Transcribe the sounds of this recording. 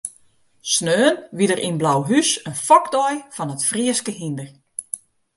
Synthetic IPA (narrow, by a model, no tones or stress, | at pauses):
snøːnʋidərʔinblawɦysənfɔkdɔjfɔnətfriəskəɦindər